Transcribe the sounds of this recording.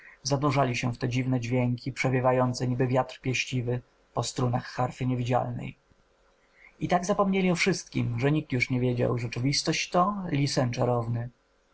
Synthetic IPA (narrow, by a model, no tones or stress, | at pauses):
zad̪uʐalʲiɕɛft̪ɛd͡ʑivnɛd͡ʑvʲjɛŋkʲipʂɛvʲjɛvajɔnt̪sɛɲibɘvʲjat̪ɾpʲjɛɕt͡ɕivɘ | pɔst̪ɾunaxːaɾfɘɲevʲid͡ʑa̰lnɛ̰j | it̪aɡzapɔmɲelʲiɔfʂɘst̪̚kʲḭmʐɛɲik̚t̪juʂɲɛvʲjed͡ʑa̰wʐɛt͡ʂɘvʲist̪ɔɕt͡ɕt̪ɔlʲisɛnt͡ʂaɾɔvnɘ